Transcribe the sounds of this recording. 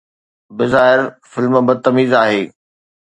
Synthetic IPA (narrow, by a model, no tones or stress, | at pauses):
bɪzaːɦɪɾfɪlmbɐt̪ːɐmiːzaːɦeː